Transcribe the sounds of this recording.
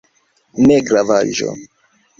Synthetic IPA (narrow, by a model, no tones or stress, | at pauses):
neɡɾavaʒo̰